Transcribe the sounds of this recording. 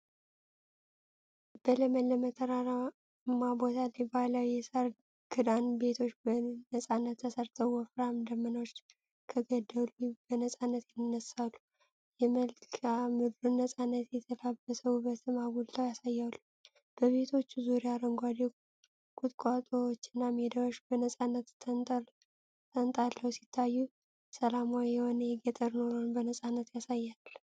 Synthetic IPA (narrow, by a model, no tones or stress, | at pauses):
b̥ələməlːəmət̪ʰəɾaɾa | mːabo̞t̪ʰalibaləwjɛsəɾ | ɡʰɨd̪anbe̞t̪ʰo̞t͡ʃːbənəsʼanːət̪ːʰəsəɾt̪ʰəwwɔfɾamd̪əmːənawt͡ʃː | kʰəɡəd̪ːəlubənəsʼanːət̪jɛnːəsːalːu | jɛməlkʰamɨd̪ɾunːəsʼanːət̪jɛt̪ʰəlabəsəwubət̪ʰɨmaɡult̪ʰawjasajːalːu | b̥əβe̞t̪ʰo̞t͡ʃːuzuɾiaɾəŋɡʷad̪e | ɡ̥ʰʼut̪ʼkʼat̪ʼowt͡ʃːɨnːamed̪awoʃbənəsʼanːət̪ | t̪ʰənt̪ʼalːəwsi̥t̪ʰːajːu | səlamawijɛho̞nəjɛɡət̪ʼəɾnoɾonbənəsʼanːət̪jasajːalː